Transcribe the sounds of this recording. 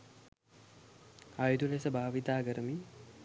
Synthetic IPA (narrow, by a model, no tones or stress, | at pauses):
ajud̪ulesəbaːʋit̪aːɡəɾəmi